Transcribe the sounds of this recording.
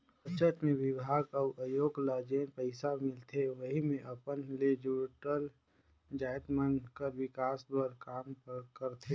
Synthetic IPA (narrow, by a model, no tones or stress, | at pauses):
pət͡ʃət̪mẽʋɪbʱaːɡaʔəjoːɡlaːd͡ʒeːnpəɪsamɪlt̪ʰeʋəɦimẽʔɐpənled͡ʒuʈəl | d͡ʒaːjt̪mənkəɾʋɪkaːsbəɾkaːmkəɾt̪ʰe